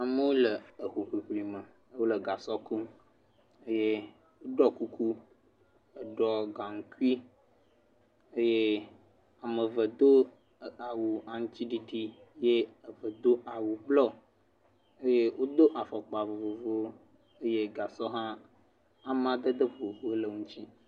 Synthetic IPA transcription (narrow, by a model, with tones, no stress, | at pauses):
a˨mə˦wo˦lə˨ə˨xo˨ɸi˨ɸli˨mə˨˦ | wo˦lə˨ɡa˨sɔ˦ku˦ | ə˦je˦ | wo˦ɖɔ˦ku˦ku˦ | ə˨ɖɔ˦ɡa˨ŋ̩˦ku˦i˦ | e˦je˦ | a˨mə˨və˨d̪o˦ | a˨wu˨a˨ŋ̩˦t͡ɕi˦ɖi˦ɖi˦ | je˦ə˨və˨d̪o˦ʔa˨wu˨blɔ˦˨ | e˦je˦wʔo˦d̪o˦ʔa˨fɔ˨k͡pa˨vo˨vo˨vo˦ | e˦je˦ɡa˨sɔ˦ɦã˦ | a˦m˦ã˨d̪ə˦d̪ə˦ɸo˨o˨vo˦e˦lə˨ŋu˦ŋ̩ũ˦t͡ʃi˦